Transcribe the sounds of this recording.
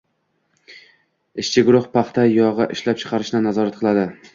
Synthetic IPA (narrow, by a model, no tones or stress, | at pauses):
ɪʃt͡ʃʰɪɡʊɾʊχpʰɑχt̪ʰajɒʁɨʔɪʃlap̚t͡ʃʰɨ̥qʰɑɾɪʃnɪnazɒɾat̪̚qʰɨlˠad̪ɪ